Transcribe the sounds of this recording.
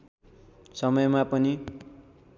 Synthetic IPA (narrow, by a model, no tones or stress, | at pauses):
sʌmʌjmapʌni